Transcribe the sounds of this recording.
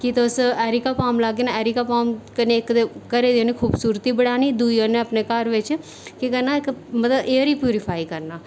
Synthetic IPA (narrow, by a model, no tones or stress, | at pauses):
kit̪osɛːɾikaːpaːmlaːɡ̪eːnaɛːɾikaːpaːmkəneːkd̪ekəɾeːd̪õːnikʰuːbsuːɾt̪iːbəɽaːniːd̪uːioːnẽəpnekaːɾʋɪt͡ʃ | kikənaːkmət̪ləbeːəɾiːpjuːɾɪpʰaːikəɾnaː